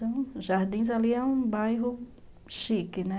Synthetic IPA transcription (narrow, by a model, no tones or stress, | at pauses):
ɐ̃w̃ʒaɾd̪ĩz̬aliɛũbajɦʊ | ʃikɪnɛ